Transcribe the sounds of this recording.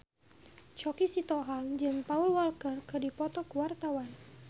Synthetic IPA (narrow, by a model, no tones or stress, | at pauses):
t͡ʃɔkisit̪ɔɦaŋd͡ʒɨŋpaulwalkərkədipɔt̪ɔkəwart̪awan